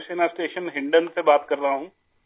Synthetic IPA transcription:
seːnasʈeːʃənɦɪ̃ɳɖənsebaːt̪kɐɾtaaɦũː

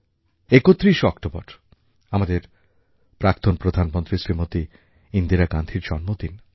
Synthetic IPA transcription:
ekot̪ːɾiʃɔkʈobɔɾ | amad̪eɾ | pɾak̚t̪onpɾod̪ʱanmont̪ɾisɾimot̪i | ind̪iɾaɡand̪ʱiɾd͡ʑɔnmot̪in

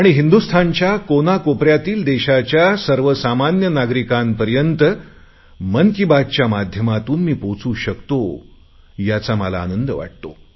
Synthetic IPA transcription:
aɽ̃iɦind̪ust̪ʰaɲt͡ɕjakonakopɾjat̪iːld̪eɕat͡ɕjasəɾʋəsamanjənaɡɾikanpəɾjənt̪ə | mənkibad̚t͡ɕjamad̪ʱjəmat̪uːnmiːpot͡suːɕəkt̪o | jat͡saməla̰ːnənd̪əʋa̰ʈ̚t̪o̰

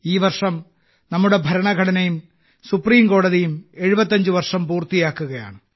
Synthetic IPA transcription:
iːʋɐrʂɐm | nɐmːuɽe̞bʱɐɾɐɳɐɡʱɐɽɐnɐjum | supːriːmko̞ːɽɐðijume̞ɻubɐt̪ːɐɲd͡ʑɨʋɐrʂɐmpuːrt̪ijaːkːuɣɐja̰ːɳɨ

